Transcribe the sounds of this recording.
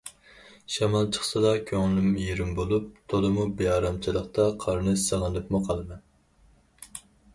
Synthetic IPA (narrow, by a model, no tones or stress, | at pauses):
ʃɑmɑlˠt͡ʃʰə̥χsɨd̪ɑkʲʰøŋlɪmjiɾɪmbolˠup̚t̪ʰolˠɨmubijɑːɾɑmt͡ʃʰilˠəqt̪ɑqʰɑɾnɨʃsɑlˠɨnɨpmʊqʰɑlˠɨmɛn